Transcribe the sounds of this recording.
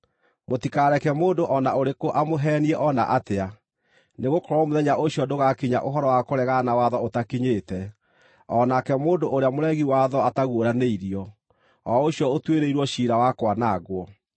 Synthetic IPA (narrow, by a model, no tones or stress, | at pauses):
motikaɾɛkɛmoːndoʔɔnaoɾekoʔamoɦɛːniɛʔɔna̰ʔatea | neɣokɔɾwɔmoðɛɲaʔoɕjɔdoɣakiɲa̰ʔoɦɔɾɔwakoɾɛɣanawaðɔotakiɲeːtɛ | ɔːnakɛmoːndoʔoɾeamoɾɛɣiwaðɔataɣwoɾaneiɾiɔ | ɔoɕjɔotweɾeiɾwɔɕiːɾawakwanaɣwɔ